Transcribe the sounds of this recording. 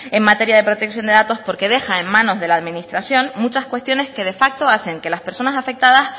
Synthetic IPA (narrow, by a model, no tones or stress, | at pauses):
e̞ŋmat̪e̞ɾjað̞e̞pɾo̞t̪e̞ksjo̞nd̪e̞ðat̪o̞spo̞ɾke̞ðe̞xaemːãno̞zðe̞laːðmĩnist̪ɾasjo̞nmut͡ʃaskwe̞st̪jo̞ne̞ske̞ð̞e̞fak̚t̪o̞aθe̞ŋke̞laspe̞ɾso̞nasafe̞k̚t̪aðas